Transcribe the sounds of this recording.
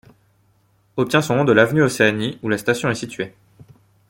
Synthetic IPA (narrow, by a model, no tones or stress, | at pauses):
ɔp̚t̪jɛ̃sɔ̃nɔ̃d̪əlavnyoseaniulast̪asjɔ̃ɛsit̪ɥe